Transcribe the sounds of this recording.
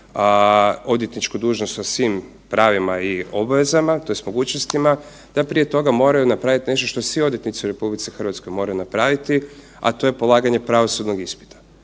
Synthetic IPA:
o̞d̪je̞t̪nit͡ʃkud̪uːʒnost̪sasʋiːm | pɾaːʋimaio̞baʋe̞zamat̪o̞jest̪mo̞ɡuːt͡ɕnost̪ima | d̪̥apɾije̞t̪o̞ɡamo̞ɾajunapɾaʋit̪ine̞ʃt̪o̞ʃt̪osʋio̞d̪je̞t̪nit̪siuɾe̞publit̪sixrʋat̪sko̞jmo̞ɾajunapɾaʋit̪i | a̰t̪o̞je̞po̞lˠaːɡaɲe̞pɾaʋo̞sud̪no̞ɡispi̥t̪ʰḁ

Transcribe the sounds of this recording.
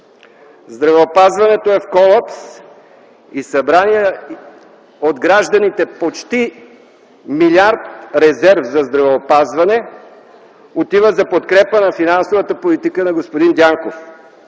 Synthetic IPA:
zd̪ɾɐvɛopazvɐnɛt̪oɛfkɔlˠaps | isɐbɾaniɛ | od̪ɡɾaʒd̪ɐnit̪ɛpot͡ʃt̪i | milʲiaɾt̪ɾɛzɛɾvzɐzd̪ɾɐvɛopazvɐnɛ | ot̪ivəzɐpot̪kɾɛpənɐfinansovət̪əpolit̪ikənɐɡospod̪ind̪jaŋkof

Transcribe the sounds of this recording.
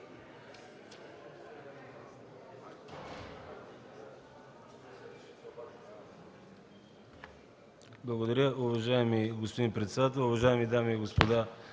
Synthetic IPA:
blˠɐɡod̪ɐɾjəʊvɐʒaɛmiɡospod̪inpɾɛt̪sɛd̪at̪ɛlˠʊvɐʒaɛmid̪amiɡospod̪a

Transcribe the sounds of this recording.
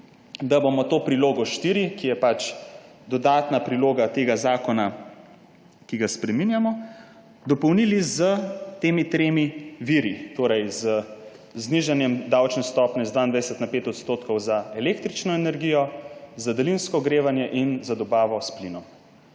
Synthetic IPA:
d̪abomɔt̪oːpɾiloːɡɔʃt̪iːɾikijɛpat͡ʃ | d̪ɔd̪aːt̪napɾiloːɡat̪eːɡazaːkɔna | kiɡaspɾɛminjamɔ | d̪ɔpɔwnilizət̪eːmit̪ɾeːmiʋiɾit̪oːɾɛjzə | zniʒanjɛmd̪awt͡ʃnɛst̪ɔːpnɛizd̪ʋaind̪ʋajɛsɛt̪napeːt̪ɔt̪st̪oːt̪kɔwzaɛlekt̪ɾit͡ʃnɔɛnɛɾɡijɔzad̪ɛlinskɔɡɾeːʋanjɛʔinzad̪ɔbaːʋɔsplinɔm

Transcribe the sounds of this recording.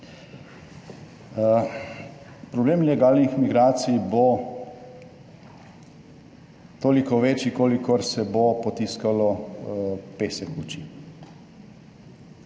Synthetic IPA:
pɾɔbleːmlɛɡaːlnixmiɡɾaːt̪sibo | t̪oːlikɔʋet͡ʃikoːlikɔɾsɛbopɔt̪iːskalɔ | peːsɛkut͡ʃi

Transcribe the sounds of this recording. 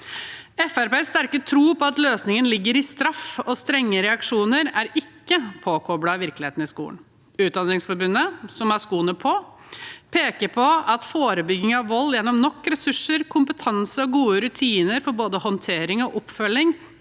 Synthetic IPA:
ɛfæɾpeːsːt̪æɾkət̪ʰɾuːpʰɔɑt̪løːsnɪŋənlɪɡːəɾɪst̪ɾɑfɔst̪ɾɛŋːəɾɛɑkʂuːnəɾæɾɪkːəpʰoːkʰɔbɽɑʋɪɾklɪhḛːt̪n̩ɪskṵːə̰n | ʉːt̪̚d̪ɑnɾɪŋsfɔɾbʉnːəsɔmæskuːnəpʰɔ | pʰeːkəɾpʰɔɑt̪foːɾəbʏɡːɪŋɑʋʋɔlːjɛnːɔmnɔkːɾɛsʉʂːəɾkʰʊmpət̪ʰɑnsəɔɡuːəɾʉt̪ʰiːnəɾfɔɾboːd̪əhɔnt̪ʰeːɾɪŋɔʔɔpːfœlːɪŋ

